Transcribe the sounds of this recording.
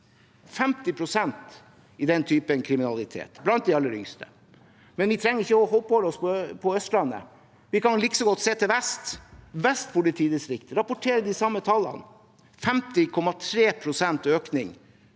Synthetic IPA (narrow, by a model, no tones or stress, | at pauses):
fɛmt̪ɪpʰɾʊsɛnt̪ | ɪd̪ɛnt̪ʰyːpənkʰɾɪmɪnɑlɪt̪ʰḛːt̪blɑnt̪d̪ɪɑlːəɾʏ̰ːst̪ə̰ | mɛnʋɪt̪ʰɾɛŋːəɾɪçːəɔɦɔpɔɾɔspʰɔpʰɔœst̪lɑnːə̰ | ʋɪkɑnlɪkːə̥sɔɡɔt̪ːseːt̪ɪlʋɛst̪ʋɛst̪pʰʊlɪt̪ʰiːd̪ɪsɾɪkt̪ɾɑpʊʈʰeːɾəd̪ɪsɑmːət̪ʰɑlːɑ̰n | fɛmt̪ɪkʰɔmɑt̪ʰɾeːpʰɾʊsɛnt̪øːknɪŋ